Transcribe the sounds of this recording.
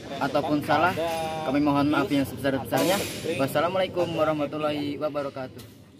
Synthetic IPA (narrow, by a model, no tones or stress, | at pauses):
ʔat̪aupʊnsalahkamimɔɦɔnapajaŋsəbəsarsəbəsarɲabasalamalaikumwaɾɔhmat̪ulɔɦiwabaɾɔkat̪uh